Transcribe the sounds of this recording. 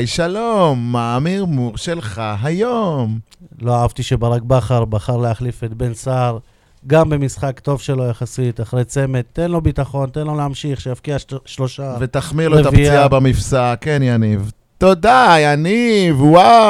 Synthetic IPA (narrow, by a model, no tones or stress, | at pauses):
jʃalomːaːmiʁmuʁʃelχaɦajom | lo̞aavt̪iʃebaʁak̚baχaʁbaχaʁleaχlifet̪̚be̞nsaʁ | ɡambe̞misχakt̪o̞vʃe̞lo̞jaχasit̪aχʁe̞jt͡se̞me̞t̪ːe̞nlo̞bit̪aχo̞nt̪enlo̞lehamʃiχʃejafkiaʃlo̞ʃavet̪aχmiʁloet̪aviiabamifsakenjaniv | t̪o̞d̪ajanivwa